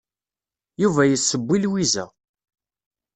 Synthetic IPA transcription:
juvæjəsːəbːilwizæ

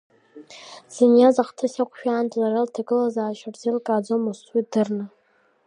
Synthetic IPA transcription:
z̥injazaχtʰasʲakʷʰʼʃᶣaːntʼlaraltʰaɡɨlazaːʃʷabzilkʼaːd͡zomusʼwidɨrnɨ

